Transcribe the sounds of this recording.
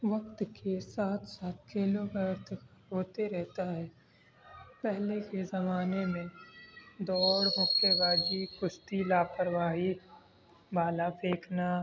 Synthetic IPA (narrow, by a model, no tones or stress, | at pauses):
ʋɐk̚t̪kesaːt̪ʰsaːt̪̚kiloɡəɾt̪ʰɦoːt̪eɾɛɦt̪aɦɛː | pɛɦlekezɐmaːnemẽ | d̪ɔːɽɦʊkeɡaːɡikʊʃt̪ilaːpəɾwaːɦi | baːlapʰeːkʰna